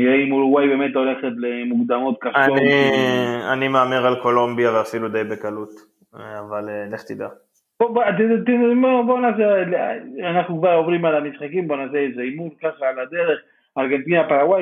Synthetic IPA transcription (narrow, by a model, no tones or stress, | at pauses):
eimuluwajbe̞me̞t̪o̞le̞χet̪lemuɡd̪amo̞t̪̚kaʃaoni | a̰nimeameʁalkolombjaveafilud̪ejbekalut̪ | avaleneft̪id̪a | bobt̪t̪ibobonas̬elanaχnukvaʁo̞vʁimalamisχakimbo̞nas̬eezeimulkaχaːlad̪e̞ʁe̞χ | aʁɡe̞nt̪inapaʁawaj